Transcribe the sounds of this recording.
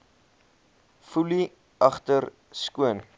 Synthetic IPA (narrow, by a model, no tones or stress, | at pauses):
fuli | ɐχtər | skuən